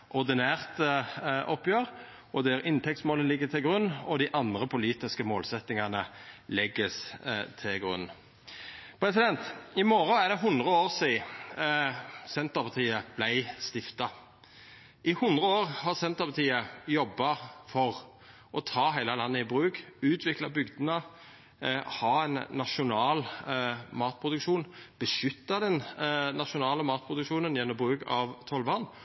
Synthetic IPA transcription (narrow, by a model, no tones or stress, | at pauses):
ʔɔʁd̪ɪnæːʁt̪ʔɔpːjøːʁ | ɔd̪ɛɾɪnt̪ʰɛk̚t̪smoːləlɪɡːət̪ʰɪlɡɾʉnːɔd̪ɪʔɑnd̪ʁəpʰʊliːt̪ɪskəmoːlsɛt̪ːɪŋɑnəlɛɡːəst̪ʰɪlɡʁʉ̰nː | pʰɾɛsɪd̪ɛnt̪ɪmɔɾɔæʁd̪ɛɦʊnd̪ʁəoːʁsiː | sɛnt̪əʁpʰɑʁt̪ʰiːəb̥læɪst̪ɪft̪ɑ | ʔɪhʊnd̪ʁəoːɾhɑʁsɛnt̪əpʰɑt̪ʰiːəjɔbːɑfɔʁ | ʔɔt̪ʰɑːɦæɪlɑlɑnːəɪbɾʉːkʉːt̪ʰʋɪklɑbʏɡd̪nə | hɑːɛnːɑʃʊnɑːl | mɑːt̪̚pʰʁʊd̪ʉkʃuːnb̥əʃʏt̪ːɑd̪ɛnnɑʃʊnɑːləmɑːt̪̚pʰʁʊd̪ʉkʃuːnənjɛnːɔmbʁʉːkɑ̰ʋt̪ʰɔlʋɑnː